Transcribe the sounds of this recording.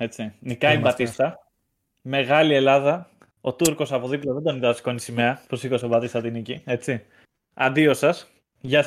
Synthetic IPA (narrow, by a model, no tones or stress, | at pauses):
e̞t͡sinikɐimbɐt̪ist̪ɐ | me̞ɣɐlie̞lɐðɐ | o̞t̪uɾko̞sɐpo̞ðiploðed̪oniðɐsko̞nisimeɐposikosovɐt̪ist̪ɐt̪inicie̞t͡si | ɐ̰nd̪io̞sɐs | ʝɐ